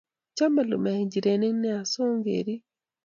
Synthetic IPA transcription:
camalumaɲɟiɾeneneasoːŋɡḛɾi

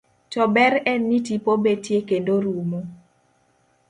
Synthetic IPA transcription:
tɔbɛɾɛnːitipobetjekendoɾumo

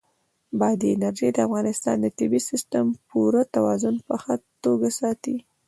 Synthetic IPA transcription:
bɑd̪əɪnaɾʒed̪əafɣɑnɪst̪ɑ̰nd̪ət̪ɪbisɪst̪əmpuɾət̪awɑzʊnpəxat̪oɡasɑt̪i

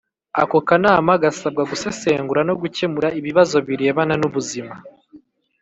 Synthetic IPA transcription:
a̰ko̞kanaːmaɡasab̚ɡaɡuse̞se̞ːŋɡuɾano̞ɡuce̞muɾaiβiβazo̞βiɾieβananuβuzima

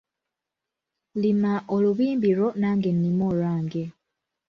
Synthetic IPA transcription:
limaʔoluβiːmbiɾonaːŋɡenːimolwaːŋɡe

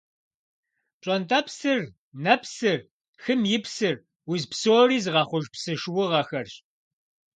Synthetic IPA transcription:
t͡ʃʼɔntʰʼɐpsɨr | nɐpʰsɨr | xɨmjɪpsɨr | wʊzpsoːriːzɨʁɑːχʷʊʒpsɨʃwʊʁɐxɐrɕ

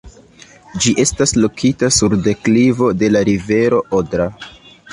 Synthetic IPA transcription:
d͡ʒiʔe̞staslo̞kʰitasuɾde̞klivo̞de̞laɾive̞ɾo̞ʔodɾa

